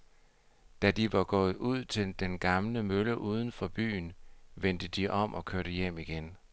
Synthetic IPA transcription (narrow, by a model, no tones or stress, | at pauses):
d̥æd̥iʋɑ̈ɡ̥ɔ̰̽ːð̩ˠuð̞̰ˠt͡sʰe̝ld̥enɡ̥ɑ̈mləmøləʔuːð̞ˠən̩fɒ̽b̥y̰ːnʋen̰d̥əd̥iʔɒ̽mʔɒ̽kʰøɐɾ̥əjem̰iɡ̥en